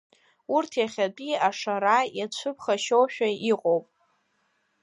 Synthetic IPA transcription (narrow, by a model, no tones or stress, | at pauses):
urtʰjaχʲat͡pʼiaʂaɾajat͡ɕʷʰɨpʰχaʃowʃᶣaiqʼowpʼ